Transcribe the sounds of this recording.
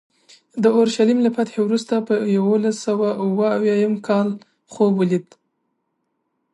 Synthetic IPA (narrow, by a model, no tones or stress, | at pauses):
d̪əoɾʃalimlapat̪xewɾust̪apəjawolasawauwəawjɑjamkʰɑl | xobwəlid̪